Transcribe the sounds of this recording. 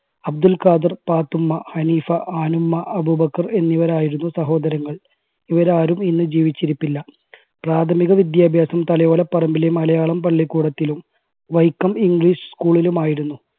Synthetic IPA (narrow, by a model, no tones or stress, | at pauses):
ɐb̚d̪ulkaːd̪ɨrpaːt̪ːumːɐhɐniːfɐaːnumːɐʔɐbubɐkːɐre̞nːiʋɐɾaːjiɾunːusɐɦo̞ːd̪ɐɾɐŋːɐɭ | iʋɐɾaːɾuminːɨd͡ʑiːʋit͡ɕːiɾipːilːɐ | praːt̪ʰɐmiɣɐʋid̪jaːbʱjaːsɐmt̪ɐlɐjoːlɐpːɐrɐmbilemɐlɐjaːɭɐmpɐɭːikːuːɽɐt̪ːilum | ʋɐjkːɐmiŋɡɭiːʂɨ̥skuːɭilumaːjiɾunːu